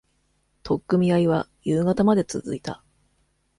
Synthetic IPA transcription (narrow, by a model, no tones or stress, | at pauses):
t̪ʰo̞kːɯ̟mʲiaiβajɯːɡat̪amad̪e̞t͡sɨ̰zɨit̪a̰